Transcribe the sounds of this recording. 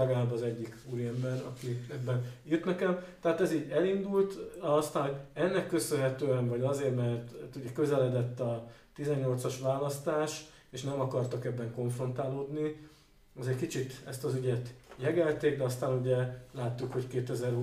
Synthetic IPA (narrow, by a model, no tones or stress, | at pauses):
ɛɡɒlaːbɒzɛɟːikuɾiɛmbɛnɒ̰kiɛbːɛnjyt̪nɛkɛmt̪ɛɦaːt̪ɛziːɟɛlind̪ult̪ɒst̪aːnɦo̞ɟɛnːɛkːø̞sønɦɛt̪øːɛnvɒɟɒzeːrmɛrt̪t̪uɟɛkø̞zɛlɛd̪ɛt̪ːɒt̪izɛɲːo̞lt̪sɒʃʋaːlɒst̪aːʃ | eːʃnɛmɒkɒrt̪ɒkɛbːɛŋko̞ɱfro̞nt̪aːloːd̪ni | ɛzɛckit͡ʃit̪ɛst̪ɒzyɟɛt̪jɛɡɛlt̪eːɡ̚d̪ɛɒst̪aːnuɟɛlaːt̪ːukho̞ckeːt̪ɛzɛrɦu